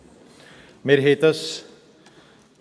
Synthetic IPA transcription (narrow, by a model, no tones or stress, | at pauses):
meɾɦeːt̪əs